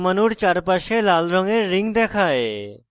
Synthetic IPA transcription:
mənuɽt͡ʃaɾpəɾʃelaːlɾɔ̃ŋɡeɾɪ̃ŋɡd̪eːkʰaːeː

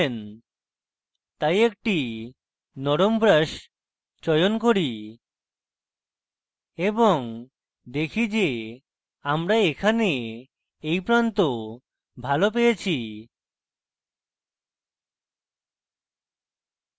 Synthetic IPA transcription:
n | t̪ajek̚ʈi | nɔɾombɾaʃ | t͡ɕɔjonkoɾi | eboŋ | d̪ekʰid͡ʑe | amɾaekʰane | ejpɾant̪o | bʱalop̬ejet͡ɕʰi

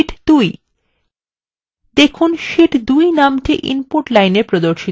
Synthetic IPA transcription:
ʈd̪uj | d̪ekʰunʃiʈd̪ujnamʈeʔḭnpoɾʈlajneɾpɾod̪oɾʃi

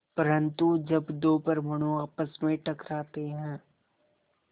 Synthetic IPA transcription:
pɐɾə̃nt̪ud͡ʒɐbd̪oːpəɾmɐɽ̃uaːpəsmẽʈɐkɾaːt̪eɦɛ̃ː

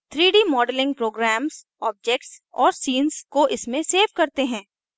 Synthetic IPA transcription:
t̪ʰɾiːɖiːmɔːɖəlɪ̃ŋɡ̚pɾoːɡɾɛːms | ɔːb̚d͡ʒɛːk̚ʈsɔːɾsiːnskoʔɪsmẽseːʋkɐɾt̪eɦɛ̃ː

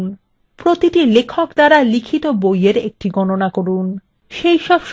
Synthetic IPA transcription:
n | pɾot̪iʈilekʰokd̪aɾalikʰit̪obojeɾek̚ʈiɡɔnonakoɾun | ʃejʃɔbʃ

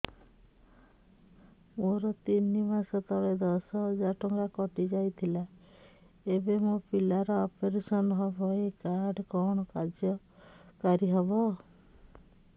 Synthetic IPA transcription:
moɾɔt̪inimasɔt̪ɔɽed̪ɔsɔd͡ʒaʈɔŋɡakɔʈid͡ʒajt̪ʰila | ebemopilaɾɔɔpeɾesɔnɦɔbʱɔekaɾɖkɔɽ̃ɔkad͡ʒjɔ | kaɾiɦɔbɔ

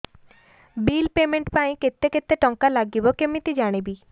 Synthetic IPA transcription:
bilpemeɳʈpaĩket̪ːeket̪ːeʈɔŋkalaɡibɔkemit̪id͡ʒaɽ̃ibi

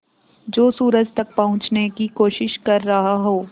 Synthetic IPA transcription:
d͡ʒoːsuːɾəd͡ʒt̪ɐk̚pɐɦʊ̃t͡ʃnekikoːʃɪʃkɐɾːɐɦaɦoː

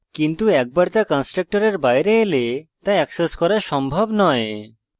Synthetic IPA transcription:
kint̪uɛk̚baɾt̪akɔnsʈɾek̚ʈoɾeɾbajɾeelet̪aɛkseskɔɾaʃɔmbʱobnɔe

